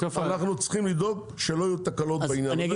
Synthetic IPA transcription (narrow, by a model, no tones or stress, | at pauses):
fanaχnut͡sχimlid̪o̞ɡ | ʃeloajut̪akalo̞tbeinjan